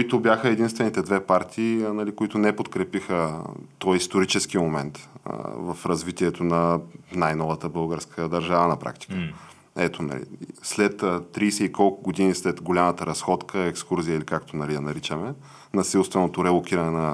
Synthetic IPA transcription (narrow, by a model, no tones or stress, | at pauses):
kʊit̪ʊbjaxəɛd̪inst̪vɛnit̪ɛd̪vɛpaɾt̪ʰiːnɐlikʊit̪ʊnɛpot̪kɾɛpixət̪ɔjist̪oɾit͡ʃɛsk̟imomɛnt̪vəfɾɐzvit̪iɛt̪onɐnajnɔvət̪əbɤlˠɡəɾskʰəd̪ɐɾʒavənɐpɾa̰kt̪i̥kə | ɛt̪onɐ̰lḭslɛt̪ːt̪ːɾiːsɛikɔlˠkʊɡod̪inislɛt̪ɡolʲamət̪əɾɐsxɔt̪kʰəɛkskuɾzijəilikakt̪onɐlid̪ɐnɐɾit͡ʃəmɛ | nɐsilˠst̪vɛnot̪oɾɛlˠok̟ʲiɾɐnɛnɐ